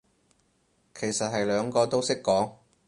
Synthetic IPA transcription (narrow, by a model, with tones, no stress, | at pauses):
kʰe˨˩jsɐ˨t̚ɦɐ˨jlœː˨˧ŋkɔː˧t̪o˥wsɪ˥kːɔː˨˥ŋ